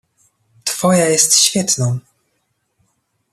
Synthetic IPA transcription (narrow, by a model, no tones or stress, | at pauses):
t̪fɔjajɛst̪ɕfʲjɛt̪nɔ̃w̃